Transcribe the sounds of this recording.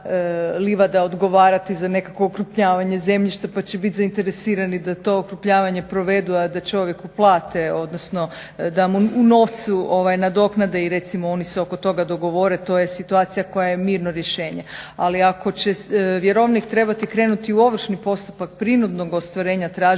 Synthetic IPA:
liʋad̪aod̪ɡo̞ʋaːɾat̪izane̞kako̞ːkɾupʎaːʋaɲe̞ze̞mʎiʃt̪apat͡ɕebit̪ʲzaint̪eɾesiːɾanid̪at̪o̞okɾupʎaːʋaɲe̞pɾo̞ʋe̞d̪uad̪at͡ʃo̞ʋje̞kuplˠaːt̪eo̞d̪nosno̞ | d̪amuuno̞ʋt̪suoʋajnad̪o̞knad̪eiɾe̞t̪simoo̞niseo̞ko̞t̪o̞ɡad̪o̞ɡo̞ʋo̞ɾet̪o̞jesit̪uaːt̪sijako̞jajemiːɾnoɾje̞ʃe̞ːɲealiako̞t͡ɕeʋjeɾo̞ʋnikt̪ɾe̞bat̪ikɾe̞ːnut̪iuo̞ʋr̩ʃnipo̞st̪u̥pak̚pɾinud̪no̞ɡost̪ʋaɾe̞ːɲat̪ɾaːʒ

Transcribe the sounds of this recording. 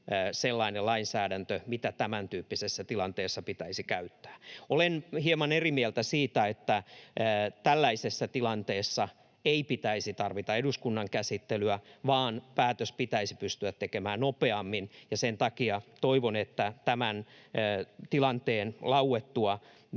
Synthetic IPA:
selːɑinelɑinsæːɾænt̪ømit̪æt̪æmænt̪yːpːisesːæt̪ilɑnt̪eːsːɑpit̪æisikæyt̪ːæ̥ːolenhiemɑnerimielt̪æsiːt̪æet̪ːæ | t̪ælːæisesːæt̪ilɑnt̪eːsːɑ | eipit̪æisit̪ɑrʋit̪ɑeduskunːɑŋkæsit̪ːelyæʋɑːnpæːt̪øspit̪æisi̥pyst̪yæt̪tekemæːnnopeɑmːinjɑsent̪ɑkiɑt̪oiʋonet̪ːæt̪æmænː | t̪ilɑnt̪eːnlɑuet̪ːuɑ

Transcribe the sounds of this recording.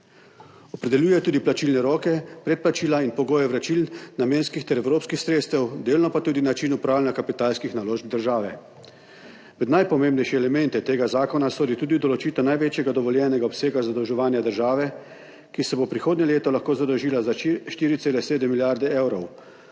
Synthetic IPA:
ɔpɾɛd̪ɛljuːjɛt̪uːd̪iplat͡ʃiːlnɛɾɔːkɛpɾɛt̪̚plat͡ʃiːlainpɔɡoːjɛʋɾat͡ʃiːlnameːnskixt̪ɛɾɛwɾoːpskixsɾeːt̪st̪ɛwd̪eːlnɔpat̪uːd̪inat͡ʃinupɾaːwlʲɛnjakapit̪aːlskixnaloːʒb̚d̪əɾʒaːʋɛ | ʋɛd̪najpɔmeːmbnɛjʃɛːlɛmɛnt̪ɛt̪eːɡazaːkɔnasoːd̪it̪uːd̪iwd̪ɔlɔt͡ʃiːt̪ɔnajʋeːt͡ʃjɛɡad̪ɔʋɔljɛːnɛɡaɔpseːɡazad̪əwʒɛʋaːnjad̪əɾʒaːʋɛ | kisɛbopɾixoːd̪nʲɛleːt̪ɔlaxkoːzad̪ɔwʒiːlazaʃt̪iːɾit̪seːlɛseːd̪əmːiljaɾd̪ɛewɾɔw

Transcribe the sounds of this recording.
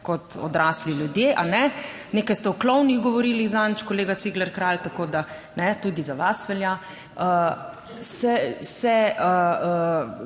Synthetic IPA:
kɔt̪ɔ̰d̪ɾaːsliljud̪jeʔanɛneːkajst̪ɛɔklɔwnixɡɔʋɔɾiːlizant͡ʃkɔleːɡasiɡlɛɾkɾalt̪akod̪a | nɛt̪ud̪izaʋasʋɛlja | ə | sɛsɛəə

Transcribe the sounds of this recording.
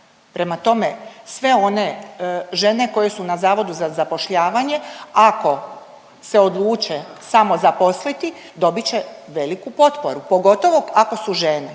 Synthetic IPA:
pɾe̞mat̪o̞mesʋe̞o̞neʒe̞ne̞ko̞je̞sunazaːʋo̞d̪uzazapo̞ʃʎaːʋaɲe̞ako̞ | se̞od̪lˠuːt͡ʃesamo̞zapo̞slit̪i | d̪o̞bit͡ɕe̞ʋe̞likupo̞t̪po̞ɾupo̞ɡo̞t̪o̞ʋo̞ako̞suʒene

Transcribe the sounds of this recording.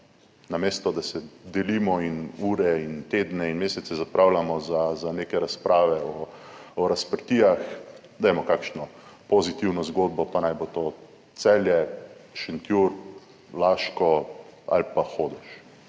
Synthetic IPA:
nameːst̪ɔd̪asɛd̪ɛlimɔinuːɾɛint̪eːd̪nɛinmeːsɛt̪sɛzapɾawlamɔzazaneːkɛɾaspɾaːʋɛɔɔɾaspəɾt̪ijax | d̪ɛjmɔkakʃnɔpozit̪iwnɔzɡoːd̪̚bɔpanajbot̪oː | t̪sɛːljɛʃɛnt̪juɾ | laːʃkɔa̰lpaxoːd̪ɛʃ

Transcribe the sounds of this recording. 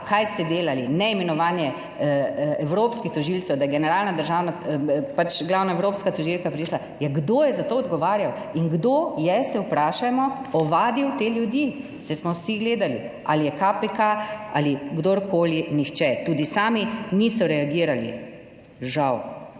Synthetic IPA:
kajst̪ɛd̪eːlalinɛimɛnɔʋaːnjɛ | ɛwɾoːpskixt̪ɔʒilsɛwd̪ajɛɡɛnɛɾaːlnad̪əɾʒaːwnapat͡ʃɡlaːwnaɛwɾoːpskat̪ɔʒilkapɾiʃla | jɛɡd̪oːjɛzat̪oːɔd̪ɡɔʋaːɾjaw | iŋɡd̪oːjɛsɛwpɾaːʃamɔɔʋaːd̪iwt̪eːljud̪ji | sɛsmɔwsiɡleːd̪ali | a̰lijɛkapekaa̰liɡd̪oːɾkʰoːlinixt͡ʃɛt̪uːd̪isaːminisɔɾɛaɡiːɾalḭ | ʒaw

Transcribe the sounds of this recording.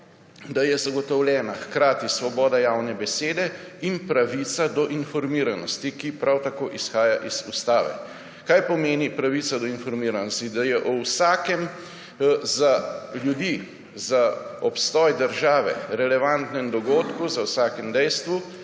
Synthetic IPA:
d̪ajɛzaɡɔt̪ɔwljɛːnaxkɾaːt̪isʋɔbɔːd̪ajaːwnɛbɛseːd̪ɛ | inpɾaʋit̪sad̪ɔʔinfɔɾmiːɾanɔst̪ikipɾawt̪akoːʔisxaːjaʔiz̥ust̪aːʋɛ̰ | kajpɔmeːnipɾaʋiːt̪sad̪ɔinfɔɾmiːɾanɔst̪id̪ajɛʔɔwsaːkɛm | zaljud̪iː | zaɔpst̪ɔːjd̪əɾʒaːʋɛ̰ɾɛlɛʋant̪nɛmd̪ɔɡoːt̪kuzawsaːkɛmd̪ɛjst̪ʋu

